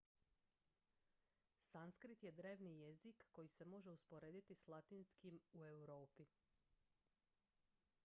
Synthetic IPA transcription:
sanskɾit̪je̞d̪ɾe̞ːʋnije̞zikːo̞jise̞mo̞ʒe̞uspoɾeːd̪it̪islˠat̪inskimue̞wɾoːpi

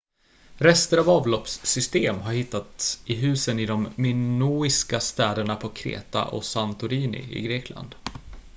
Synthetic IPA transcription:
ɾɛst̪əɾavɑːvlɔpsːʏst̪eːmɦaɾhɪt̪ːat̪sɪɦʉ̟ːsənɪd̪ɔmːɪnuːɪskast̪ɛːd̪əɳapʰɔkʰɾḛːt̪a̰ʔɔ̰sant̪ʊɾiːnɪ̰ɪ̰ɡɾeːkʰla̰nd̪̥

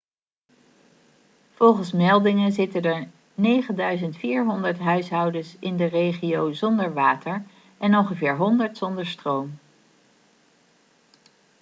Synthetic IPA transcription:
v̥ɔlˠχənsmɛlˠdɪŋənzɪtəndəɹ | nejχəndœɥzəntfiːɹɦɔndəɹtɦœɥsɦɑwdəsɪndərejχiowzɔndəɹʋaːtəɹ | ʔɛnɔŋχəvɪːɹɦɔndəɹtsɔndəɹstrowm

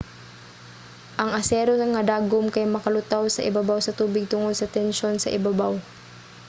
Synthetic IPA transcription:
ʔɐŋɐsɛːɾoɐŋɐd̪aːɡomkɐjmɐkɐlʊt̪awsɐ̰ʔɪ̰bɐbawsɐt̪uːbɪɡ̚t̪ʊŋod̪sɐt̪ɛnʃo̞nsɐ̰ʔɪbabaw

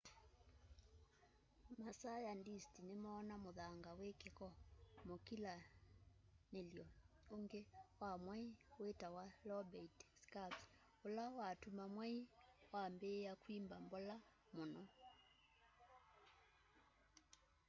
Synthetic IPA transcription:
masajandistinemɔːnamoðaŋɡawekekɔmokila | neljɔoŋɡewamwaiwetawalɔbɛitskaps | olawatumamwaiwambeːjakwimbambɔla | monɔ

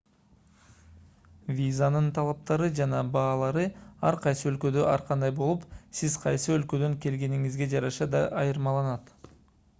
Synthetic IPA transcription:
vʲizanɯnt̪ʰɑlˠɑp̚t̪ɑɾɯd͡ʒɑnɑbɑːlˠɑɾɯɑɾqʰɑjsɯø̞lkø̞d̪ø̞ʔɑɾqʰɑnd̪ɑjbo̞lˠupsiz̥qʰɑjsɯø̞lkø̞d̪ø̞ŋke̞lɡe̞niŋizɡe̞d͡ʒɑɾɑʃɑd̪ɑʔɑjɯɾmɑlˠɑnɑt̪

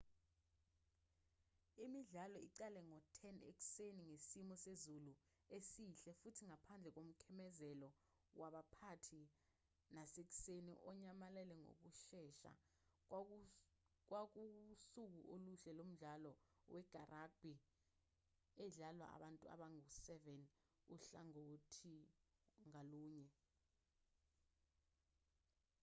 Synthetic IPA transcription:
imiɮalɔiǀɛlɛŋɔtʰɛnḛk̬u̥seniŋesimɔsezulu | esiɬɛfutʰiŋapʰand͡ɮʱɛk̬om̩kʰɛmɛzɛlɔ | waɓapʰatʰi | nasek̬u̥senḭʔɔɲamalɛlɛŋo̰k̬uʃɛʃa̰ | k̬wak̬usuk̬uʔoluɬɛlom̩ɮalɔ | wɛɡ̥ʱarak̚b̥ʱi | ɛɮalwa̰a̰ɓantʼua̰ɓaŋusɛvɛn | uɬaŋotʰi | ŋaluːɲɛ

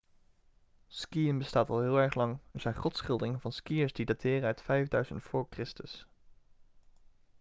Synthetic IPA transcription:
skiənbəstaːtɑlˠɦɪːlˠɛɹχlɑŋɛɹzɛjnχɔtsχɪlˠdɪŋvɑnskijəɹzdidatɪːrənœɥtfɛjvdœɥzə̰ntfʊːɹkrɪstəs

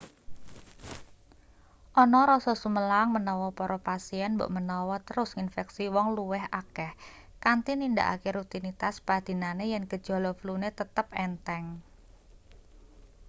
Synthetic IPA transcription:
ʔɔnɔɾɔsɔsuməlaŋmənɔwɔpɔɾɔpasiɛnbo̰ʔmənɔwɔt̪əɾʊsinfɛksiwɔŋluwɛɦakɛh | kant̪ininda̰ʔa̰keɾut̪init̪aspad̪̥i̤nanejankə̥ʒ̥ɔ̤lɔflunet̪ət̪əp̚ɛnt̪ɛŋ

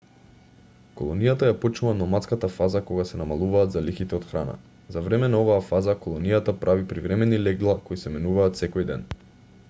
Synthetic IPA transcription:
kɔlˠɔnijat̪ajapɔt͡ʃnuvanɔmat̪skat̪afazakɔɡasɛnamalˠuvaːd̪zalixit̪ɛɔt̪xɾana̰ | zavɾɛmɛnaɔvaːfazakolˠɔnijat̪apɾʔavipɾivɾɛmɛnilɛɡlˠakoisɛmɛnuvaːt̪sɛkɔjd̪ɛn

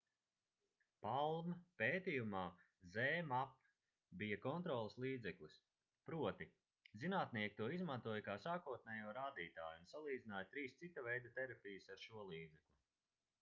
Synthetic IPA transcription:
palˠmapeːt̪ijumaː | zɛːmap | bijakɔnt̪ɾɔːlˠislˠiːd̪zɛklˠis | pɾuɔt̪i | zinaːt̪niɛk̚t̪uɔizmant̪uɔjkaːsaːkuɔt̪̚nɛjuɔɾaːd̪iːt̪aːjuunsalˠiːd̪zinaːjat̪ɾiːst̪sit̪avɛjd̪at̪ɛɾapʲijɐsaɾʃuɔlˠiːd̪zɛklʲˠu

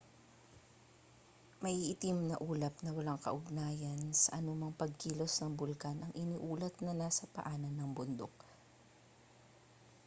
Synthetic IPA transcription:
mɐʔiʔɪt̪imnɐʔuːlɐpnɐwɐlaŋkɐ̰ʔʊɡ̚naːjɐnsɐ̰ʔɐnomɐŋpɐɡ̚kiːlo̞snɐŋbʊlkanʔɐŋʔɪniʔuːlɐt̪̚nɐnaːsɐpɐ̰ʔaːnɐnːɐŋbʊnd̪ok̚

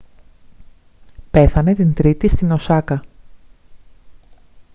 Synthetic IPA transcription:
pe̞θɐne̞t̪int̪ɾit̪ist̪ino̞sɐkɐ

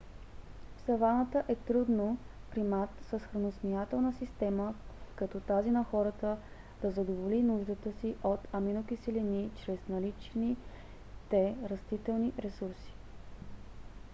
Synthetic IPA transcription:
fsɐvanət̪əʔɛt̪ɾud̪no | pɾimat̪səsxɾɐnosmiat̪ɛlˠnəsist̪ɛməkɐt̪ɔt̪azinɐxɔɾət̪ə | d̪̥ɐzɐd̪ovolinuʒd̪ət̪əsiʔot̪ɐminokisɛlinit͡ʃɾɛsnɐlit͡ʃni | t̪ɛɾɐst̪it̪ɛlˠniɾɛsuɾsi̥

